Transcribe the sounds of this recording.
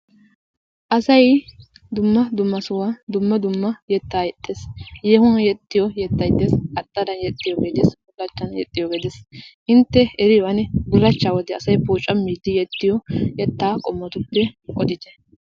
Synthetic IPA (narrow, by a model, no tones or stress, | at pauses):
ʔɐsɐj | d̪ʊmːɐd̪ʊmːɐsʊwad̪ʊmːɐd̪ʊmːɐjɛt̪ːaːjɛt̪ʼːeːsjeːhʊnɐjɛt̪ːɪjɔjɛt̪ːɐjd̪esʼɐt̪ʼːɐd̪ɐnjɛt̪ʼːɪjɔɡeːd̪esbʊlːɐt͡ʃːɐnjɛ̰t̪ʼːɪjɔɡed̪esʔɪnt̪ːɛɛɾɪjɐnɛbʊɾɐt͡ʃːaːwɔd̪ɛɐsɐjpuːt͡ʃʼːɐmːiːd̪ɪjɛt̪ːɪjɔjɛt̪ːaːkʼɔmːɐt̪ʊpːɛɔd̪ɪd̪ɛ